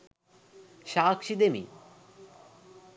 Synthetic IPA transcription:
ʃaːkʃid̪emḭ

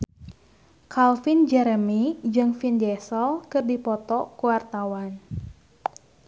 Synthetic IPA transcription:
kalfind͡ʒɛɾəmid͡ʒɨŋfindɛsɔlkɨrdipɔt̪ɔkuwart̪awan

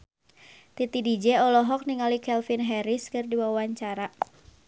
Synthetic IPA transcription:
t̪it̪idid͡ʒɛɔlɔɦɔk̚niŋalikɛlfinɦɛɾɪskɨrdiwawaɲt͡ʃaɾa

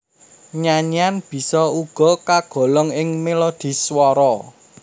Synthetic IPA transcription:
ɲaɲanb̥i̤sɔuɡ̥ɔ̤kaɡ̥ɔ̤lɔŋɪŋmelod̪̥i̤swɔɾɔ

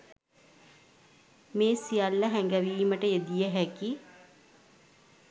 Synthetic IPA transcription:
meːsijalːəɦæŋɡæʋiːməʈəed̪ijəɦæki

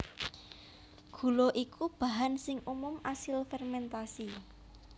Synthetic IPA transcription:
ɡ̥ṳloʔikʰub̥a̤ɦansɪŋumʊmasɪlfɛrmɛnt̪asi

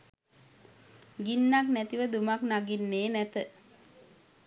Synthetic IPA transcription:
ɡinːaknæt̪iʋəd̪umaknaɡinːeːnæt̪ə

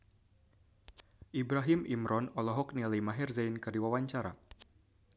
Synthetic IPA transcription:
ʔibɾaɦimimɾɔnɔlɔɦɔk̚nilimaɦirzajnkərdiwawaɲt͡ʃaɾa̰

